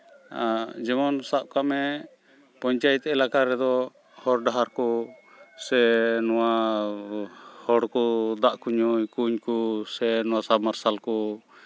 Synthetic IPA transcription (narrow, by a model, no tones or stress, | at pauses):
ad͡ʒɛmɔnsaʔ̚kamɛ | pɔɲt͡ʃajɛt̪ɛɛlakaɾɛd̪ɔ | hɔɾɖaɦaɾkɔ | sɛnɔwa | hɔɽkɔd̪aʔkuɲujkuɲkusɛnɔwasabmaɾsalkɔ